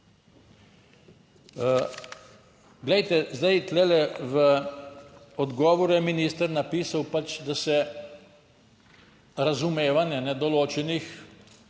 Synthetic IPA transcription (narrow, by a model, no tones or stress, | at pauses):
ɡlɛjt̪ɛzd̪ajt̪lɛlɛʋə | ɔd̪ɡɔːʋɔɾujɛminist̪əɾnapiːsawpat͡ʃd̪asɛ | ɾazumeːʋanjɛnɛd̪ɔloːt͡ʃɛnix